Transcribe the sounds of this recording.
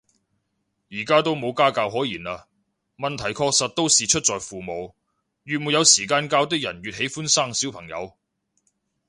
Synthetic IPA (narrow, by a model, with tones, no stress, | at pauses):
jiː˨˩kaː˥t̪o˥wmo˨˧wkaː˥kaː˧wɦɔː˨˥jiː˨˩naː˧ | mɐ˨nt̪ʰɐ˨˩jkʰɔː˧k̚sɐ˨t̚t̪o˥wsiː˨t͡ʃʰɵ˥t̚t͡sɔː˨jfuː˨˩mo˨˧w | jyː˨t̚muː˨˧jɐ˨˧wsiː˨˩kaː˧nkaː˧wt̪̬ɪ˥k̚jɐ̰˨˩nɥyː˨t̚he˨˥jfuː˥nsaː˥˩ŋsiː˨˥wpʰɐ˨˩ŋjɐ̰˨˧w